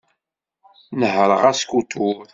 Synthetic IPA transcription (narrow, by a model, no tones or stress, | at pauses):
nəɦɾə̰ʁæskut̪ʰuɾ